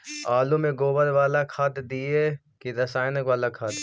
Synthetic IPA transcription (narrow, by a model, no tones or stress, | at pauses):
aːlumẽɡoːbəɾʋaːlakʰat̪d̪ie | kiɾɐsaːjnəkʋaːlakʰat̪